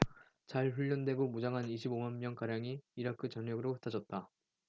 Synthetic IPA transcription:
t͡ɕaɭɸuʎːʌndwe̞ɡomud͡ʑaŋɦaniɕ̬ʰibomanmːjʌŋkaɾjaŋiːɾakʰɯt͡ɕʌnjʌɡɯɾoɯ̥tʰad͡ʑʌt̚t͈a

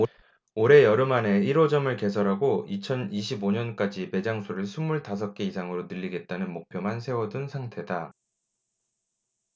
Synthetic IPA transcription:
oɾe̞jʌɾɯmane̞iɾod͡ʑʌmɯɭke̞s̬ʰʌɾɦaɡoit͡ɕʰʌniɕʰiboɲʌnk͈ad͡ʑipe̞d͡ʑaŋsʰoɾɯɭsʰumːuɭtas̬ʰʌk̚k͈eisʰaŋɯɾonɯʎːiɡe̞t̚t͈anɯnmok̚pʰjʌmansʰe̞wʌdɯnsʰaŋtʰe̞da

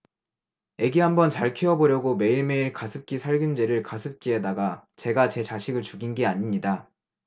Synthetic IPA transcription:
e̞ɡiɦambʌnt͡ɕaɭkʰiʌboɾjʌɡome̞iɭme̞iɭkasʰɯp̚k͈isʰaɭɡund͡ʑeɾɯɭkasʰɯp̚k͈ie̞daɡat͡ɕe̞ɡat͡ɕe̞t͡ɕaɕʰiɡɯɭt͡ɕuɡinɡeaɲimɲida

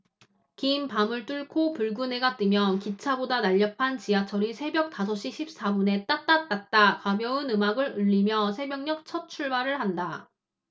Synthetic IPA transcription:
kimpamɯɭt͈uɭkʰopuɭɡune̞ɡat͈ɯmjʌnkit͡ɕʰabodanaʎːʌpʰant͡ɕijat͡ɕʰʌɾisʰe̞bjʌk̚t͈as̬ʰʌɕ͈iɕʰip̚s͈abune̞t͈at̚t͈at̚t͈at̚t͈akabjʌɯnɯmaɡɯɾɯʎːimjʌsʰe̞bjʌŋɲʌk̚t͡ɕʰʌt̚t͡ɕʰuɭbaɾɯɭɦanda

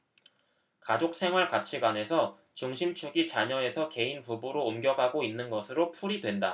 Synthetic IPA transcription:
kad͡ʑok̚s͈ʰe̞ŋɦwaɭkat͡ɕʰiɡwane̞sʰʌ | t͡ɕuŋɕʰimt͡ɕʰuɡit͡ɕaɲʌe̞sʰʌke̞inpubuɾoːmɡjʌɡɦaɡoinːɯnɡʌsʰɯɾopʰuɾidwe̞nda̰

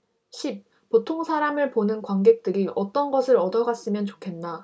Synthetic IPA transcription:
ɕʰip̚ | potʰoŋsʰaɾamɯɭponɯnkwaŋɡe̞k̚t͈ɯɾiʔʌt͈ʌnɡʌsʰɯɾʌdʌɡas͈ɯmjʌnt͡ɕokʰe̞nːa

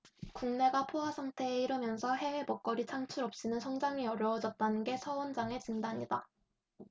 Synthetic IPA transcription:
kuŋne̞ɡapʰoɦasʰaŋtʰe̞ːiɾɯmjʌnsʰʌɦe̞wepʌk̚k͈ʌɾit͡ɕʰaŋt͡ɕʰuɾʌp̚ɕ͈inɯnsʰʌŋd͡ʑaŋiʌɾjʌːd͡ʑʌt̚t͈anɯnɡe̞sʰʌond͡ʑaŋe̞t͡ɕindaɲida̰

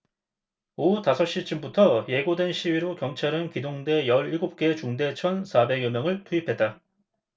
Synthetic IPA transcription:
outasʰʌɕ͈it͡ɕ͈ɯmbutʰʌje̞ɡodwe̞nɕʰiɥiɾokjʌŋt͡ɕʰaɾɯnkidoŋde̞jʌɾiɭɡop̚k͈e̞t͡ɕuŋde̞t͡ɕʰʌnsʰabe̞ɡjʌmjʌŋɯɭtʰuipʰet̚t͈a

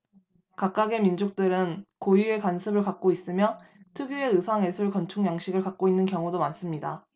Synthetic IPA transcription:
kak̚k͈aɡe̞mind͡ʑok̚t͈ɯɾɯnkojie̞kansʰɯbɯɭkak̚k͈ois͈ɯmjʌtʰɯɡue̞ɯsʰaŋe̞sʰuɭkʌnt͡ɕʰuŋjaŋɕʰiɡɯɭkak̚k͈oinːɯnkjʌŋudomans͈ɯmɲida

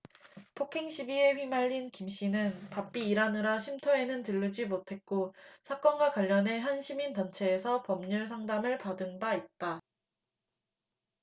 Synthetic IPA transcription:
pʰokʰeŋɕʰibie̞ɸɥimaʎːinkimɕ͈inɯnpap͈iːɾanɯɾaɕʰimtʰoe̞nɯntɯʎːɯd͡ʑimotʰe̞t̚k͈osʰak͈ʌnɡwakwaʎːʌnɦe̞ɦanɕʰimintʌnt͡ɕʰe̞ːsʰʌpʌmɲuɭsʰaŋdamɯɭpadɯnbait̚t͈a

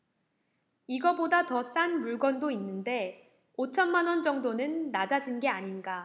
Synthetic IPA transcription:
iɡʌbodatʌs͈anmuɭɡwʌndoinːɯnde̞ | ot͡ɕʰʌnmanwʌnd͡ʑʌŋdonɯnːad͡ʑad͡ʑinɡe̞aɲinɡa

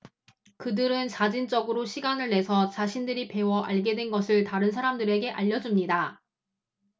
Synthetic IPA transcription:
kɯdɯɾɯnt͡ɕad͡ʑint͡ɕ͈ʌɡɯɾoɕʰiɡanɯɭːe̞sʰʌt͡ɕaɕʰindɯɾipe̞wʌʔaɭɡe̞dwe̞nɡʌsʰɯɭtaɾɯnsʰaɾamdɯɾe̞ɡe̞ʔaʎːʌd͡ʑumɲida

